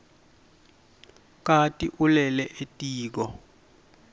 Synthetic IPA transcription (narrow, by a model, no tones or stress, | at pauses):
k̬ʼatʼiʔulɛlɛʔetʼiːk̬ɔ